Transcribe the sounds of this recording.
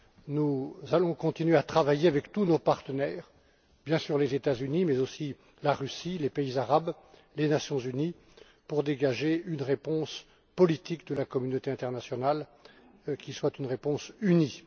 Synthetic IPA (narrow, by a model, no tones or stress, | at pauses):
nuzalɔ̃kɔ̃t̪inɥeat̪χavajeavɛkt̪unopaʁt̪ənɛːʁ | bjɛ̃syʁlezet̪azynimɛzosi | laʁysilepeizaʁab | lenasjɔ̃zyni | puʁd̪eɡaʒeynʁepɔ̃s | pɔlit̪ikd̪əlakɔmynot̪eɛ̃t̪ɛʁnasjɔnal | kʲiswat̪ynʁepɔ̃syni